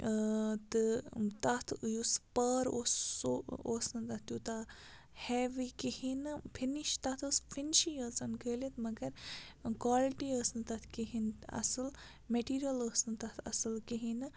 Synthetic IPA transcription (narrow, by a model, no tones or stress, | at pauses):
t̪ɨt̪ɐt̪ʰɨjuspəːɾo̰ːsoo̰ːsnɨt̪ɐt̪ʲjut̪a | hɛːʋikihinɨpʰiniʃt̪ɐt̪ʰəsfʰinʃijəːsɐnkəːlit̪mɐɡɐɾkwaːlʈiəːsnɨt̪ɐt̪ʰkiɦinɐ̰sɨl | meʈiːɾjɐləːsnɨt̪ɐt̪ʰɐ̰sɨlkiɦinɨ